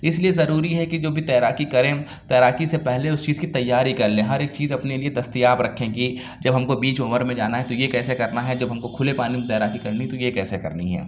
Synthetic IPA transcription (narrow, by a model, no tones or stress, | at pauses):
ɪsliezɐɾuːɾiɦɛkid͡ʒoːbʱit̪ɛːɾaːkikɐɾẽ | t̪ɛːɾaːkisepɛɦleʊst͡ʃiːzkit̪ɐjːaːɾikɐɾlẽːɦɐɾeːk̚t͡ʃiːzɐpnelied̪ɐst̪ijaːbɾɐkʰẽɡi | d͡ʒɐbɦɐmkobiːt͡ʃʊməɾmẽd͡ʒaːnaɦɛt̪ojekɛːsekɐɾnaɦɛd͡ʒɐbɦɐmkokʰʊlepaːnimẽt̪ɛːɾaːkikɐɾniɛt̪ojekɛːsekɐ̰ɾniɦɛ̰ː